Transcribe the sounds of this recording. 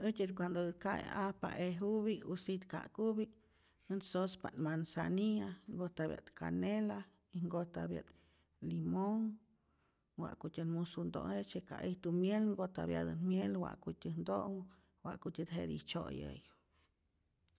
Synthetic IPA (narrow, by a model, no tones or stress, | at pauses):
ɨtʲɨt̪kʷand̪okaj̰apa̰ʔeɦuβiusit̪ka̰kubi | ɨnsospaʔnmansa̰niaŋɡot̪abja̰t̪kanela | iŋɡot̪abja̰t̪ | limoŋ | wa̰ʔkutʲɨnmusund̪o̰ŋet͡ʃekaʔiht̪umjelŋɡot̪abjad̪ɨnmjelwa̰ʔkutʲɨnd̪oŋ | waʔkutʲɨd̪ɦeɾḭt͡ʃojəj